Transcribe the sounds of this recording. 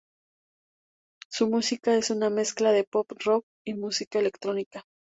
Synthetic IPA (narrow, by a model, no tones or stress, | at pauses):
sumusikae̞suname̞sklaðe̞po̞prok̚ | imusikae̞le̞kt̪ɾo̞nika